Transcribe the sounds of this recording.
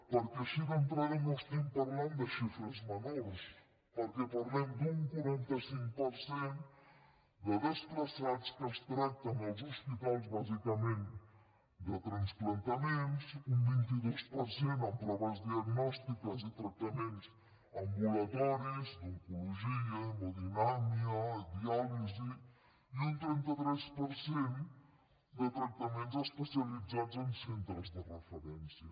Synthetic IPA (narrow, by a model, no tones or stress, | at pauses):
poɾkɐʃikõnt̪ɾɐðenɔʃt̪ĩmpɐɾlãnd̪ɐʃifɾɐzmɐnɔlʃ | poɾkepɐɾlẽnd̪ũŋkwɐɾẽnt̪ɐsĩŋkupoɾsẽnt̪ | d̪ɐðɐʃt̪ɾɐsaðuskɐʃt̪ɾat̪ɐ̃wɐwzoʃpit̪alzβazikɐmẽnt̪ | d̪ɨt̪ɾɐ̃nsplˠɐ̃nt̪ɐmẽnt̪usũvĩnt̪iðoʃpɐɾsẽnt̪ɐp̪ɾɐvɛzd̪ðiɐɣnɔʃt̪ikɐzit̪ɾɐt̪ɐmẽnt̪us | ɐmbulɐt̪ɔɾuzd̪uŋkuluʒiɐmoðinamiɐd̪iɔlizi | iũnt̪ɾẽnt̪ɐt̪ɾɛʃpəɾsẽn | d̪ət̪ɾɐt̪ɐmẽnt̪uzɐʃpəsiɐlid̪zad̪uzẽnsẽnt̪ɾɛzd̪ərəfəɾɛ̃nsjɐ